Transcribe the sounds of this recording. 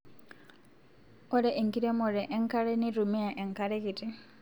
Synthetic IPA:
ɔ˦ɾɛ˦ʔe˨ŋki˦ɾɛ˦mɔ˨ɾɛ˨ʔɛ˦ŋka˦ɾɛ˦ni˦ɾu˨mɛ˦a˨ʔɛ˨ŋkaɾɛ˦ki˨tʼi˦

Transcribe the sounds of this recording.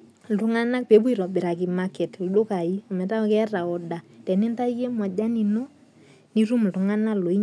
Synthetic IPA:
tʊ˨˦ŋa˦na˦k̚pe˨˦bu˦i˨ɾɔ˨bɪ˨ɾa˨ki˨ma˦kɛ˨tdo˦ka˨i˦ɔ˨mɛ˨ta˦ɔ˦kɛ˦ra˨ɔ˨da˨tɛ˨nɪ˦nta˦i˦ke˦mwa˨d͡ʒa˦ni˨no˦ | ni˦ɾu˦m̩˨tʊ˨ŋa˦na˦lo˨i˦

